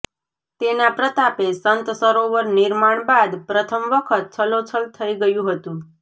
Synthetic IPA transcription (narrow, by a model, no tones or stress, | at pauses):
t̪enapɾət̪apesənt̪səɾoʋəɾnɪɾmaɳ̃bad̪pɾət̪ʰəmʋəkʰət̪̚t͡ʃʰəlot͡ʃʰəlt̪ʰəiɡəjũɦət̪ũ